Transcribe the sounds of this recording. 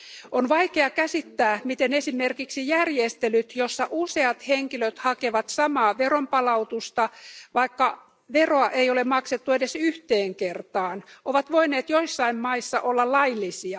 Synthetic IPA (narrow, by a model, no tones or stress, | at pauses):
ʔonʋɑikeɑkæsit̪ːæːmit̪enesimerkiksijærjest̪elyt̪josːɑʔuseɑt̪heŋkiløt̪hɑkeʋɑt̪sɑmɑːʋerompɑlɑut̪ust̪ɑʋɑikːɑ | ʋeroɑʔeiolemɑkset̪ːuedesyht̪eːŋkert̪ɑːnʔoʋɑt̪ʋoineːt̪joisːɑimmɑisːɑ̰ʔolːɑllɑilːisiɑ